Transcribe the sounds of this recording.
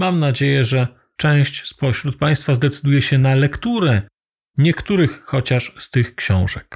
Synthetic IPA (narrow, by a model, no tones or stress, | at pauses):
mamnad͡ʑejɛʐɛ | t͡ʂɛ̃w̃ɕt͡ɕspɔɕɾut̪̚paj̃st̪fazd̪ɛt̪sɘd̪ujɛɕɛnalɛkt̪uɾɛ | ɲɛkt̪uɾɘxxɔt͡ɕaʂst̪ɘxkɕɔ̰̃w̃ʐɛk